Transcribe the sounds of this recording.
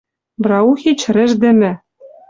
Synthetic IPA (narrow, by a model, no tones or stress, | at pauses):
bɾɑuxit͡ɕɾɘ̆ʒd̪ɘ̆mɘ̆